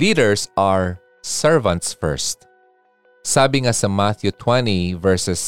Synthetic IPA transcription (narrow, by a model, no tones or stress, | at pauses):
liːdɛɹsaɹ | sɛɹvɐ̃nt̪sfɛ̰ɹst̪̚ | saːbɪŋasɐmat̪jʊt̪ʰwɛ̃nivɛɹsɛs